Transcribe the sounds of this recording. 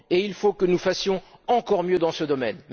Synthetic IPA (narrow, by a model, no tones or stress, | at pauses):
eilfokənufasjɔ̃ɑ̃kɔʁmjød̪ɑ̃səd̪ɔmɛnm